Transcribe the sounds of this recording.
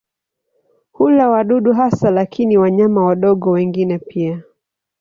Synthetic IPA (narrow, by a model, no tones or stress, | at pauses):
hulawaɗuɗuɦasalakʰiniwaɲamawaɗɔɠɔwɛŋɡinɛpia